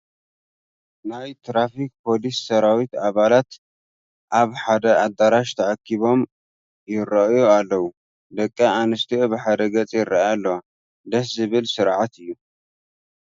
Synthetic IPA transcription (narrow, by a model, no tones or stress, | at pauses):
najt̪ʰɾafik̚pʰo̞lisːɐɾawit̪aβalat̪ | ʔaβħad̪ɐad̪ːaɾaʃt̪ʰɐʕakʰːiβo̞m | jɪrɐʔjualːɐwu | d̪ɐkʼːɐanɨst̪ʰiobɨħad̪ɐɡɐt͡sʼjɪrːɐjalːɐwa | d̪ɐħzɨβɨlsɨɾʕat̪ɨjːu